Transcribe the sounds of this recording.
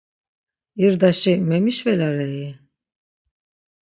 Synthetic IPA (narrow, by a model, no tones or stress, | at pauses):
iɾd̪aʃimemiʃvɛlaɾaji